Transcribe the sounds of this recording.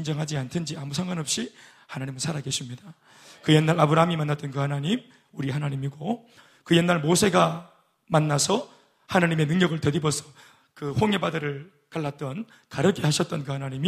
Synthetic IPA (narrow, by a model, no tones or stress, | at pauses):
ind͡ʑʌŋɦad͡ʑiantʰɯnd͡ʑiamus̬ʰaŋɡwanʌp̚ɕ͈i | hanaɲimɯɭsʰaɾaɡe̞ɕʰimɲida | kɯjenːaɾabɯɾaɦamimanːat͈ʌnkɯhanaɲim | uɾiɦanaɲimiɡo | kɯje̞nːaɭmosʰe̞ɡa | manːasʰʌ | hanaɲime̞nɯŋɲʌɡɯɭtʌdibʌsʰʌ | kɯɸoŋe̞badʌɾɯɭ | kaɭːat̚t͈ʌn | kaɾʌkʰehaɕʰʌt͈̚ʌnkɯɦanaɲimi